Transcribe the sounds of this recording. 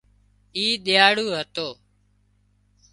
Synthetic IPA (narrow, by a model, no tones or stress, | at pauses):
iːɗ̪ɪjaːɽuːɦət̪oː